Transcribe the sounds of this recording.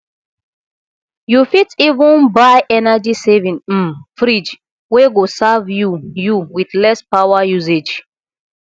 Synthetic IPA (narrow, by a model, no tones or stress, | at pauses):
jufitivũnbaɪʔɛnad͡ʒisevĩŋ̩fɾid͡ʒ | weɡosavjujuwiðlɛspawajuzed͡ʒ